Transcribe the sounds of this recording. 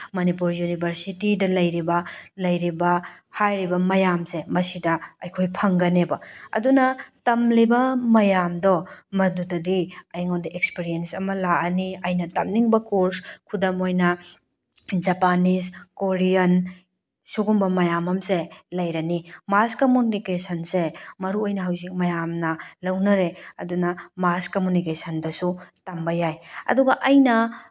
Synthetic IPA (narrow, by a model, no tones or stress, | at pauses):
mɐnipuɾjunibʱɐɾsitidɐlɐjɾibɐlɐjɾibɐhajɾibɐmɐjamsemɐsidɐɐjkʰojpʰɐŋɡɐnebɐɐ̰dunɐtɐmlibɐmɐjamdɔmɐdudɐdiɐjŋondɐekspiɾijensɐmɐlaɐniɐjnɐtɐmniŋbɐkoɾskʰudɐmojnɐ | d͡ʒɐpaniskoɾijɐn | suɡumbɐmɐjamɐmselɐjɾɐnimaskomunikesɐnsemɐɾuojnɐɦɐwzik̚mɐjamnɐlɐwnɐɾeɐ̰dunɐmaskomunikesɐndɐsutambɐjajɐ̰duɡɐʔɐjnɐ